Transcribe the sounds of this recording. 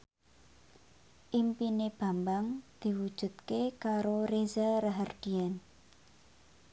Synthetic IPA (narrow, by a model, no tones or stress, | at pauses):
ʔimpineb̥a̤mbaŋd̪̥i̤wud̥ʒ̥ṳt̪̚kekaɾoɾezaɾaɦard̪̥i̤an